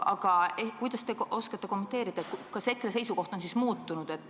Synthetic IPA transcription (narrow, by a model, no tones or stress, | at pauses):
ɑ̰ɡ̥ɑekujd̪̥ɑst̪e̞ʔo̞skɑt̪ːe̞ko̞met̪ːˑe̞ːɾid̪̥ɑekɑse̞kːˑrese̞jsuko̞ht̪o̞nsismuːt̪ːunud̪̥e̞t̪ːˑ